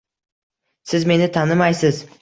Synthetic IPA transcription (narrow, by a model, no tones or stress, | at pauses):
sɪzme̞nɪt̪ʰanɪmajsɪz